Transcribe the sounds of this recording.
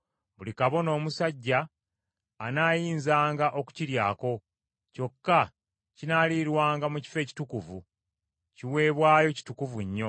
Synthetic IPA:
βulikaβo̞no̞ːmusaɟːaː | naːjiːnzaːŋɡaʔo̞ku̥ciɾjaːko̞ | co̞kːa | cinaːliɾwaːŋɡamuci̥fe̞ːci̥tukuvṵ | ciwe̞ːβwaːjo̞ci̥tukuvuɲːo̞

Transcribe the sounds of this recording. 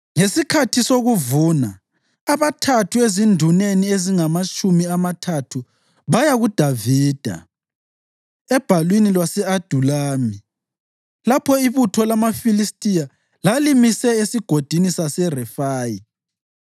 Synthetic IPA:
ŋesikʰatʰisoɣuvuːnaː | βatʰatʰuezindʱunenieziŋamat͡ʃʼumiamatʰatʰu | βajaɣud̥ʱaviːd̥ʱa̰ | ɛb̥ʱalwinilwasɛad̥ʱulaːmi | lapʰɔiβutʰɔlamafilistʼija | lalimisɛesiɡ̥ʱod̥ʱinisasɛrɛfaːji

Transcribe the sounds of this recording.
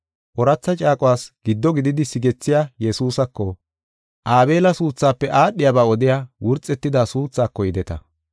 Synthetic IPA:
ʔɔɾɐt͡sːɐt͡ʃʼaːkʼʊwaːsɡ̥ɪd̪ːɔɡɪd̪ɪd̪ɪsɪɡɛt͡sːɪjaːjɛsuːsɐkːɔ | ʔaːbe̞ːlɐsuːt͡sːaːpːɛʔaːɗːɪjabaːɔd̪ɪjaːwʊɾt͡sʼːɛt̪ːɪd̪aːsuːt͡sːaːkːɔjɪd̪ɛt̪ɐ̰

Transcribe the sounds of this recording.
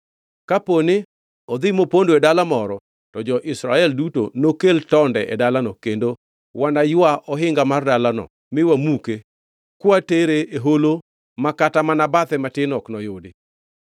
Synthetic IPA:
kapone | ɔd̪ɪmopondoɛdalamɔɾɔ | tɔd͡ʒɔʔɪsɾaɛlduto̰nokeltɔndɛʔɛ̰dalanɔkendo | wanajʊaʔɔɦɪŋɡamardalanɔ̰ | mɪwamuke | kwateɾeeɦolo | makatamanabat̪ɛmatɪnɔknɔjodɪ

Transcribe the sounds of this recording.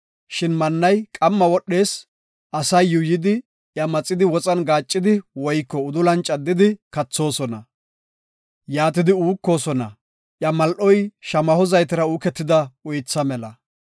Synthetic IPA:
ʃɪnmɐnːɐjkʼɐmːɐwɔɗe̞ːs | ʔɐsɐjːʊjɪd̪ɪ | ʔjɐmɐt͡sʼːɪd̪ɪwɔt͡sʼɐnɡaːt͡ʃʼːɪd̪ɪwɔjkːɔʊd̪ʊlɐnt͡ʃʼɐd̪ːɪd̪ɪkɐt͡sːo̞ːsɔnɐ | jaːt̪ɪd̪ɪuːkːo̞ːsɔnɐ̰ | ʔjɐmɐlʔɔjʃɐmɐhɔzɐjt̪ɪɾɐuːkɛt̪ːɪd̪ɐʊjt͡sːɐmɛlɐ

